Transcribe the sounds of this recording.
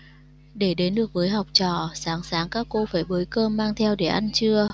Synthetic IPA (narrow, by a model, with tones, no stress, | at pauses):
ɗe˧˩ɗe˨˦nɗɨ˨˩ək̚vəː˨˦jɦa˨˩wk͡p̚t͡ɕɔ̰˧˨saː˨˦ŋsaː˨˦ŋkaː˦˥kːo˧faː˧˩jɓəː˨˦jkəː˧mːaː˧ŋt̪ʰɛ˧wɗe˧˩ʔa˧jnt͡ɕɨ˧ə